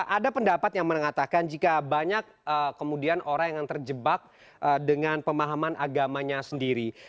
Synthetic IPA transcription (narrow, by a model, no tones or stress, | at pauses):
ʔadapəndapat̪jaŋməŋat̪akand͡ʒikabaɲak̚əkəmudianʔoɾaŋjaŋt̪ərd͡ʒəbak̚ | ədəŋanpəmaɦamanʔaɡamaɲasəndiɾi